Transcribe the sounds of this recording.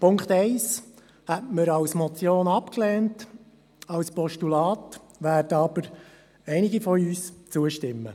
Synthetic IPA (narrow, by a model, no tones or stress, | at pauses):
pʰʊŋkχtɛɪs | hɛtməɾɑwsmɔt͡sjoːnɑpklɛːnt | ɑwspɔʃtulɑːt | ʋæːdəɑbəɾ | ɛɪnɪɡifɔyːst͡suəʃtɪmːə̰